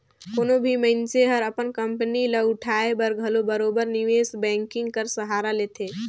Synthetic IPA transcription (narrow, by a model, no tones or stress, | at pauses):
koːnobʱiməɪnseɦəɾəpənkəmpəniləʊʈʰaebəɾɡʱəlobəɾoːbəɾniʋeːsbɛ̃ːŋkɪ̃ŋɡkəɾsəɦaɾaleːt̪ʰe